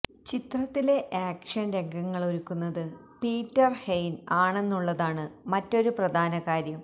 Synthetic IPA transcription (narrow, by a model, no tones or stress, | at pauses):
t͡ɕit̪rɐt̪ːile̞ʔaːkʂɐnɾe̞ŋɡʱɐŋːɐɭoɾukːunːɐðɨ | piːtːɐrhejnaːɳe̞nːuɭːɐðaːɳɨmɐtːo̞ɾuprɐd̪ʱaːnɐɣaːɾjɐm